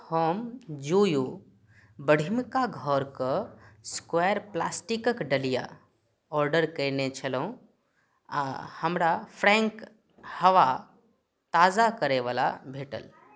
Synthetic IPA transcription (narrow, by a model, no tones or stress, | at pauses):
həmd͡ʒuju | bəɽʱimkaɡʱɔɾkəskweəɾpla̰sʈikəkɖəlija̰ | ɔɾɖəɾkəjnet͡ʃʰələũ | həmɾapʰɾɛ̃ŋk | həʋa | t̪aːzakəɾeʋala̰bʱeːʈə̰l